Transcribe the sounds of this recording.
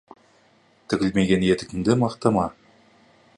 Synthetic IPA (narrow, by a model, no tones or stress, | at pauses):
t̪ʰɪkʲɪlme̞ɡʲe̞nje̞t̪ɪkʲɪmd̪ɪmɑqt̪ɑmɑ